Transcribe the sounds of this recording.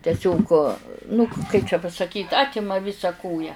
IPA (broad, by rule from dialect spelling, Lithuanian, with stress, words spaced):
ˈtʲæːsʲoːk ˈnʊ kɐɪp t͡ʃʲɛ pɐsɐkʲiːt ˈɑːtʲɪmɐ ˈʋʲɪsɐ ˈkoːjɛ